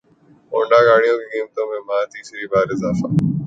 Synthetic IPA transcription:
õːɳɖaːɡaːɽ̃ijõːkekiːmət̪õːmẽmãːt̪iːsɾiːbaːɾɪzaːfa̰ː

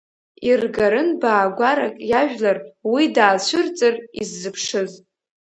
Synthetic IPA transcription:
irɡaɾɨnbaːɡʷaɾakʼjaʒᶣlarwidaːt͡ɕʷʰʊɨrt͡sʼɨrizːɨpʰʂɨz

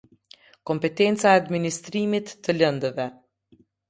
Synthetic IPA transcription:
kɔmpɛt̪ɛnt͡saɛad̪minist̪ɾimit̪ːələnd̪əvɛ

